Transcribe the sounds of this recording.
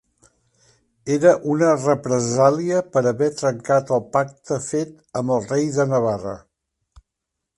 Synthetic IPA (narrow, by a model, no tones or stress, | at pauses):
eɾəʔunərəpɾəzaliəpəɾəβɛt̪ɾəŋkat̪əlˠpak̚t̪əfet̪ | əmbəlˠrejðənəβarə̰